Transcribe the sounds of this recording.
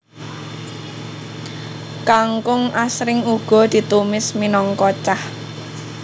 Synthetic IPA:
kaŋkʊŋasɾɪŋuɡ̥ɔ̤d̪̥i̤t̪umɪsminɔŋkɔt͡ʃah

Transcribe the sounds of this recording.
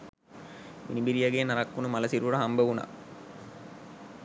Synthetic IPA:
mḭnibiɾijaɡeːnɐɾakːunumɐlɐsiɾuʋuɽɐɦɐmbɐʋuna̰

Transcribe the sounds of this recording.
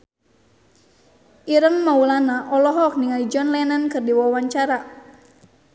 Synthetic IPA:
ʔiɾəŋmaulanaʔɔlɔɦɔk̚niŋalid͡ʒɔnlɛnankɨrdiwawaɲt͡ʃaɾa

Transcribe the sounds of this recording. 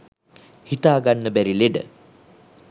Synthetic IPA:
hit̪aːɡanːəbæɾileɖə̰

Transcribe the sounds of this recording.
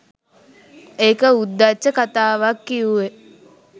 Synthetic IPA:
eːkəud̪ːat͡ʃːəkat̪aːʋakːiuʋe

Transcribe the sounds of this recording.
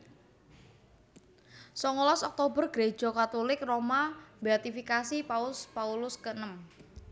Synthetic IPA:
sɔŋɔlɔsɔk̚t̪obərɡ̥ɾe̥d͡ʒ̥ɔ̤kat̪olɪkromabɛt̪ifikasipaʊspaulʊskənəm

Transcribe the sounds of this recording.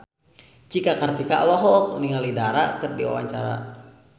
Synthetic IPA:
t͡ʃikakart̪ikalɔɦɔk̚niŋalidaɾa̰kɨrdiwa̰wa̰ɲt͡ʃa̰ɾa̰

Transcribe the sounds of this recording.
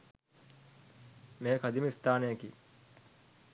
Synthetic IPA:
meːkad̪iməist̪aːnejəkiː

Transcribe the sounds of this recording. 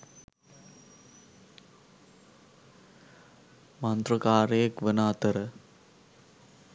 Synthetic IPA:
mant̪rəkaːɾejekʋənaːt̪əɾə

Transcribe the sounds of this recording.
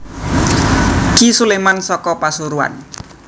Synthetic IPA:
kisulemansɔkɔpasuɾua̰n

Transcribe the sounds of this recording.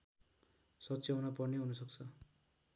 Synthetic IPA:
sʌtːt͡sjawnʌpʌrneɦunʌsʌk̚t͡sʰʌ

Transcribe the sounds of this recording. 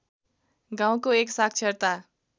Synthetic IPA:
ɡãw̃koeksak̚ʰt͡sʰʌɾt̪a

